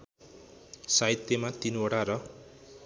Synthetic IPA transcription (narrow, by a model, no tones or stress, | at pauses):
sajt̪ːemat̪inoɽaɾʌ